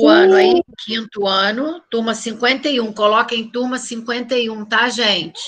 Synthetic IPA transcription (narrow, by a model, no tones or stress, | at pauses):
ʊɐ̃nʊaĩkʰĩnt̪ʊɐ̃nʊt̪umɐsĩŋkwẽnt̪ɐjũkolɔkɐẽj̃t̪uɾmɐsĩŋkwẽnt̪ɐiũt̪aʒẽnt͡ʃɪ̥